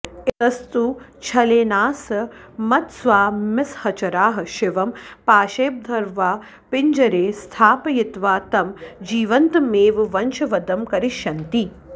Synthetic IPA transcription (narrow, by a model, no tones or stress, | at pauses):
ɪt̪ɐst̪ut͡ʃʰɐleːnaːsɐmɐt̪sʋaːmɪshɐt͡ʃɐɾaːɦɐ̆ʃɪʋɐmpaːʃeːp̚d̪ʱɐɾʋaː | pɪɲd͡ʒɐɾeːst̪ʰaːpɐjɪt̪ʋaːt̪ɐmd͡ʒiːʋɐnt̪meːʋʋɐnt͡ʃɐʋɐd̪ɐmkɐɾiʃjɐnt̪i